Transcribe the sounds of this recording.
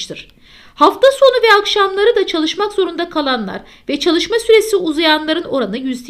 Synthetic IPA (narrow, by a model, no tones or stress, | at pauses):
t̪ʰɯɾ̝̥ | haft̪ʰaso̞nuvɛakʃamlˠaɾɯd̪at͡ʃʰalˠɯʃmakzo̞ɾund̪akʰalˠanlˠa̰ɾ | vɛt͡ʃʰalˠɯʃmasyɾe̞siuzajanlˠaɾɯno̞ɾanɯjyzd̪ʲ